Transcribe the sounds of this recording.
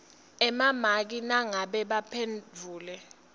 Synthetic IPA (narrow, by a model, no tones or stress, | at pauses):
ɛmamak̬inaŋaɓɛɓapʰend͡vʱuːlɛ